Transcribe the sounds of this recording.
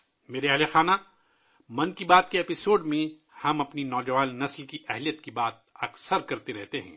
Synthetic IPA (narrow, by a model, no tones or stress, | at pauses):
meːɾeɐlexaːna | mɐ̃nkibaːt̪̚keeːpɪsoːɖmẽ | hɐmɐpninɔːd͡ʒɐʋaːnːɐslkiʔɛɦlijət̪kibaːt̪̚ɐksəɾkɐɾt̪eɾɛɦt̪eɦɛ̰̃ː